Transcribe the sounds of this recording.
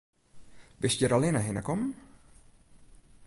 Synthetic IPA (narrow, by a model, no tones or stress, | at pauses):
bɪsjəɾalɪnəɦɪnə̰kɔm